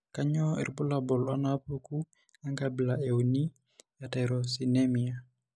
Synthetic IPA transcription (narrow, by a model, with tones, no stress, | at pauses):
ka˦ɲɔ˦ḭ˨ɾbu˦la˨bɔ˨lwa˦na˦pu˦ku˦ | a˦ŋɡabi˨lae˨u˨ni˦ | ja˨ta˨ɾɔsi˨ne˦mi˨a˨